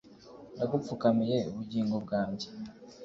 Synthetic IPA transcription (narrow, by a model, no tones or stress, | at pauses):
naɡufukamije̞ṵβuɟiːŋɡo̞bɡaːɲɟe